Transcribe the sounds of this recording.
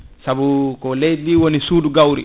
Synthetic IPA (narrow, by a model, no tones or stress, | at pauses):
sabukɔlejdiwonisuːduɡawɾḭ